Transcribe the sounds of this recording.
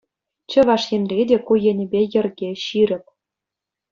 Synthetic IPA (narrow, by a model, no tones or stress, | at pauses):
t͡ɕɤ̆ʋɑʂjĕnrʲedʲekujĕnʲɘ̆bʲejɘ̆rɡʲeɕiɾʲɘ̆p̚ʲ